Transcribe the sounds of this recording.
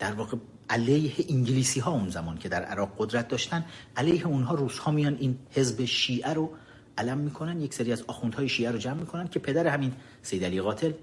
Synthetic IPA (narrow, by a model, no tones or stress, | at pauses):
d̪̥æɾvɒːɣe | ʔælejheʔiŋɟeliːsiːɦɒːunzæmɒːncʰe̞d̪æɾʔæ̰ɾɒːɣod̪ɾæt̪̚d̪ɒːʃt̪ænd̪ʔælejheunɦɒːɾuːz̥hɒːmijɒːnd̪iːnhe̞zbe̞ʃiːʔæɾo | ʔælæmːiːkʰo̞nænd̪je̞cʰseɾiːæzɒːxund̪hɒːjeʃiːæɾod͡ʒæmːiːkʰo̞nænd̪̚cʰe̞pʰe̞d̪æɾehæmin | sejd̪ælijɣɒːt̪ʰe̞l